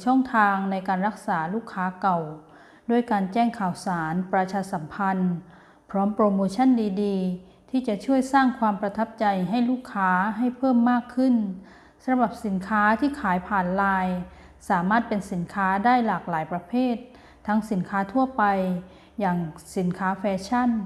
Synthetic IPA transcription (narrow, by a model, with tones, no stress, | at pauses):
t͡ɕʰɔ˥˩ŋt̪ʰaː˧ŋna˧jkaː˧nɾa˦˥k̚saː˩˦luː˥˩kʰːaː˦˥ka˨˩w | du˥˩əjkaː˧nt͡ɕɛː˥˩ŋkʰaː˨˩wsaː˩˦npɾa˧t͡ɕʰaː˧sa˩˦mpʰa˧n | pʰɾɔː˦˥mpɾoː˧moː˧t͡ɕʰa˥˨ndiː˧diː˧ | t̪ʰiː˥˩t͡ɕa˨˩t͡ɕʰu˥˩əjsaː˥˩ŋkʰwaː˧mpɾa˧t̪ʰa˦˥p̚t͡ɕa˧jɦa˥˩jluː˥˩kʰːaː˦˥ɦa˥˩jpʰɤː˥˩mːaː˥˩kʰːɯ˥˩n | sa˧bɾa˨˩p̚si˩˦nkʰaː˦˥t̪ʰiː˥˩kʰaː˩˦jpʰaː˨˩nlaː˧j | saː˩˦maː˥˩t̪̚pe˧nsi˩˦nkʰaː˦˥daː˥˩jlaː˨˩k̚laː˩˦jpɾa˧pʰeː˥˩t̪ʰː | a˦˥ŋsi˩˦nkʰaː˦˥t̪ʰu˥˩ɐpa˧j | jaː˨˩ŋsi˨˩˦nkʰaː˦˥fɛː˧˥t͡ɕʰa˥˩n